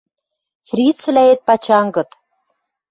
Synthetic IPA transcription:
frʲit͡svlæet̪̚pɑt͡ɕɑŋɡɤ̆t̪

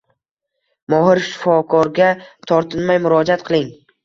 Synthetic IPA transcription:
mɒɦɪɾʃɪ̥fɒkʰɒɾɡʲat̪ʰɒɾt̪ʰɪnmajmʊɾɒd͡ʒat̪̚qʰɨlˠɪŋ

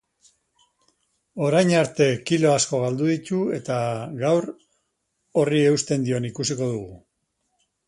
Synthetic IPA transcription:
o̞ɾajnaɾt̪e̞kilo̞asko̞ɣ̞ald̪uðit̪ue̞t̪aɡawɾ | o̞rie̞ust̪e̞nd̪io̞nikusiko̞ðuɣu

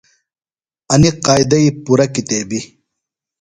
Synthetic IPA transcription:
ɐniqaːjd̪ɐipuɾɐkit̪eːbi

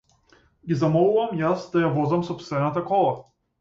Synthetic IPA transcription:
ɡizamɔlˠuvamjasd̪ajavɔzɐmsɔpst̪vɛnat̪akɔlˠa

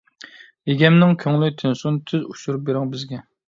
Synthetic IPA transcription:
jeɡʲɛmnɪŋkʲʰøŋlyt̪ʰɪnsunt̪ʰyzuʃuɾup̚beɾɪŋbɪzɡʲɛ

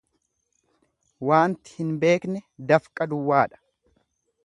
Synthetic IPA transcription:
waːnt̪ɪ̥hɪnbe̞ːknɛd̪ɐfkʼːɐd̪ʊwːaːᶑɐ̥

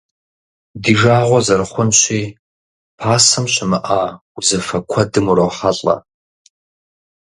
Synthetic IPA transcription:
diːʒaːʁʷɔzɐrχʷʊnʃʷiː | pʰaːsɨmʃʷʰɪmɨʔa | uzɐfɐkʷʰɐdɨmuɾɐwχaɬʼɐ̰

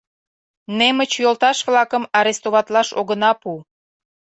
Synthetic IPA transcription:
nemət͡ɕjolt̪ɑʃβlɑkəmɑɾest̪oβɑt̪lɑʃoɣənɑpu

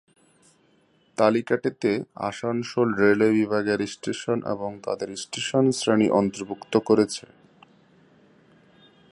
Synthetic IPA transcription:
t̪alikaʈit̪ea̰ʃaŋʃolɾelebibʱaɡeɾisʈeʃonʔḛboŋt̪a̰d̪eɾsʈeʃonsɾaniʔɔnt̪oɾbʱukt̪okoɾet͡ɕʰe

